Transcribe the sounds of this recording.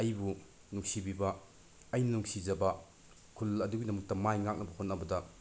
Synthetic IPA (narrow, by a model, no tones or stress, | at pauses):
ɐjbu | nuŋsibibɐ | ɐjnɐnuŋsid͡ʒɐbɐ | kʰulɐduɡinɐmɐk̚tɐmajŋak̚nɐbɐhonɐbɐdɐ